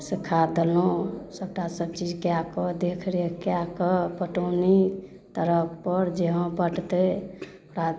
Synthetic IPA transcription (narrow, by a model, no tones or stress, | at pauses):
sikʰːad̪elosəb̚ʈasəb̚t͡ʃid͡ʒkjakɔd̪ekʰɾekjakɔpəʈoni | t̪əɾək̚ʰpəɾd͡ʒeɦə̃pəʈt̪e | ɾa